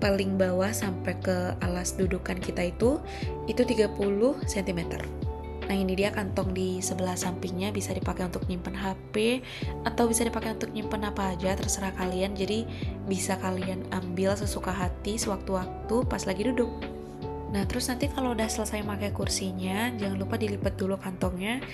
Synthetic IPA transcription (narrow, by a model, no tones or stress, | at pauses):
palɪŋbawahsampɛkəalasdudukankit̪ait̪u | it̪ut̪iɡapulʊhsɛnt̪imɛt̪ə̰r | nahinidiakant̪ɔŋdisəbəlahsampɪŋɲabisadipakajunt̪ʊk̚ɲimpənɦape | at̪awbisadipakajunt̪ʊk̚ɲimpənapaːd͡ʒat̪ərsəɾahkaliand͡ʒadibisakalianambɪlsəsukaɦat̪isəwak̚t̪uwak̚t̪upaslaɡidudʊk̚ | naht̪əɾʊsnant̪ikaloudahsələsajmakajkursiɲad͡ʒaŋanlupadilipət̪̚dulukant̪ɔŋɲa